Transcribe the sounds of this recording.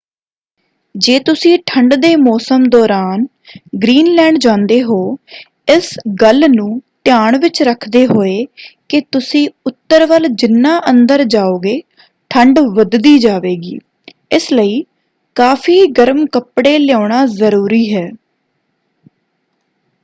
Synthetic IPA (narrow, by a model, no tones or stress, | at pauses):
d͡ʒeːt̪ʊsĩːʈʰəɳɖd̪eːmɔːsəmd̪ɔːɾaːn | ɡɾiːnlɛːɳd͡ʒãːnd̪eːɦoː | ɪsɡəlnũːt̪ɪjaːɳʋɪt͡ʃɾəkʰd̪eːɦoːeːkɪt̪ʊsĩːʊt̪ːəɾʋəld͡ʒɪnːãːʔənd̪əɾd͡ʒaːoːɡeː | ʈʰəɳɖʋəd̪d̪iːd͡ʒaːʋeːɡḭː | ɪsləiː | kaːpʰiːɡəɾmkəpɽeːlɪjaːɳaːzəɾuːɾiːɦɛː